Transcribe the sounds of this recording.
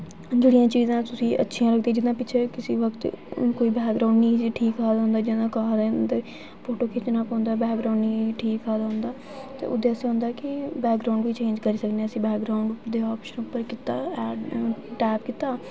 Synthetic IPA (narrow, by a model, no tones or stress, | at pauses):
d͡ʒeːɽijãːt͡ʃiːzãːt̪ʊsĩːʔə̰tːʃʰijãːləɡ̚d̪eːd͡ʒɪd̪ãːpɪːt͡ʃʰeːkɪsiːʋəkt̪koːiːbɛːkɡɾaːʊɳɖniːʈʰiːkaːd̪aːʊ̃nd̪aːd͡ʒɪãːkaad̪eːt̪eː | pʰoːʈoːkʰɪt͡ʃnãːpãːnd̪aːbɛːkɡɾaːʊ̃ɳɖniːʈʰiːkːaːd̪aːɦʊ̃nd̪aː | t̪ḛːʔʊ̰d̪eːəsẽõːnd̪aːkɪbɛːkɡɾaːʊɳɖʋiːt͡ʃẽːɲd͡ʒkəɾiːsəkneəsĩːbɛːkɡɾaːʊɳɖʊd̪eːɔːpʃənʊpːəɾkɪt̪aːɛːɖʈɛːpkɪt̪aː